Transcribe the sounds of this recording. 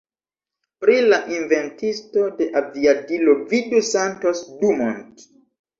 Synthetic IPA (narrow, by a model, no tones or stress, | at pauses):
pɾilaʔinve̞ntisto̞de̞ʔaviadilovidusantosdumo̰nt